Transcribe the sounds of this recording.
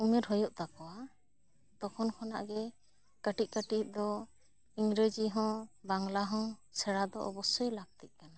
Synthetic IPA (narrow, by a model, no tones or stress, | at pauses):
umɛɾɦɔjɔʔt̪akɔwa | t̪ɔkʰɔnkʰɔna̰ʔɡɛ | kəʈic̚ˀkəʈit̪̚ˀd̪ɔ | iŋɾed͡ʒiɦɔ̃baŋlaɦɔ̃sɛɽad̪ɔʔɔbɔsɔjlaɡ̚t̪ɛt̪̚ˀkana